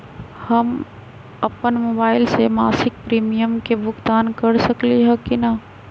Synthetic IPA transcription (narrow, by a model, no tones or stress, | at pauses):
hɐm | ɐpənmoːbaːɪlsemaːsɪk̚pɾiːmijəmkebʱʊɡt̪aːnkɐɾsɐkliɦɛkinaː